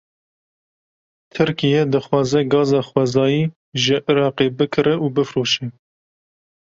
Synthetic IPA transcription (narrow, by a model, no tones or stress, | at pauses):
t̪ʰɨɾkijɛd̪ɨxwɑːzɛɡɑːzɑːxwɛzɑːjiː | ʒɪʔɨɾɑːqebɨkʰɨɾɛʔuːbɨfɾoːʃɛ